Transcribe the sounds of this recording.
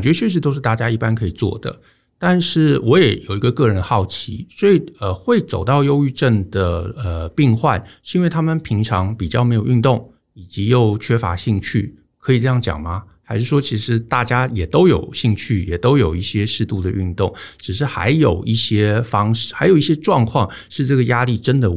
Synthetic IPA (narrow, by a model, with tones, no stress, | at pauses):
t͡ɕɛ˧˥ə˧ɕɥɛ˥˩ʂɻ̩˧˥t̪o˥ʊʂ̬ɻ̩˥˧t̪a˥˩t͡ɕja˥i˥˩pa˥nkʰɤ˧˥i˨˩t͡swɔ̰˥˩d̪ə̰˩ | t̪a˥˧nʂɻ̩˥˩wʔɔ˧˥jɛ˨˩˦jo˨˩ʊi˧˥ɡə˧kɤ˥˩ɻə˧˦n˧xɑ˥˩ʊt͡ɕʰḭ˧˥swɔ˧˥i˨˩ə˨xwe˥˩ɪt͡so˨˩ʊt̪ɑ˥˧ʊjo˥ʊy˥˧ʈ͡ʂə˥˩nd̪ə˩ə˩pi˥˧ŋxwa˥˧˨nʂ̩˥˧i˥we˥˩ɪt̪ʰa˥mə˨npʰi˧˥ŋʈ͡ʂʰɑ˧˥ŋpi˨˩t͡ɕjɑ˥˩me˧˥ɪjo˨˩ʊy˥˧nt̪ʊ˥˩ŋ | i˨˩t͡ɕi˧˥jo˥˩ʊt͡ɕʰɥɛ˥fa̰˧˥ɕi˥˧ŋt͡ɕʰy˥˩ | kʰɤ˧˥i˨˩ʈ͡ʂɤ˥˧jɑ˥˩ŋt͡ɕjɑ̰˨˩ŋmɐ˦xa˧˥ɪʂɻ̩˥˩ʂwɔ˥t͡ɕʰi˧˥ʂɻ̩˧˥t̪a˥˩t͡ɕja˥jɛ˨˩t̪o˥ʊjo˨˩ʊɕi˥˧ŋt͡ɕʰy˥˩jɛ˨˩t̪o˥ʊjo˨˩ʊi˥˩ɕjɛ˥ʂɻ̩˥˧t̪u˥˩d̪ə˩y˥˧nt̪ʊ˥˩ŋʈ͡ʂɻ̩˨˩ʂ̬ɻ̩˥˩xa̰˧˥ɪjo˨˩ʊʔi˥˩ɕjɛ˥fɑ˥ŋʂɻ̩˥˩xa˧˥ɪjo˨˩ʊi˥˩ɕjɛ˥ʈ͡ʂwɑ˥˧ŋkʰwɑ˥˧ŋ | ʂɻ̩˥˧ʈ͡ʂɤ˥˩ɡə˩ja˥li˥˩ʈ͡ʂə˥nd̪ə˨